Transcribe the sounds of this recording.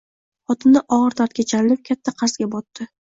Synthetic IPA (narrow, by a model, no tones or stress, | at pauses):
χɒt̪ɪmnɪʔɒʁɨɾt̪ʰaɾt̪̚kʲat͡ʃʰanɪlɪp̚kʲʰat̪ʰːaqʰɑɾzɡʲabɒt̪ːɪ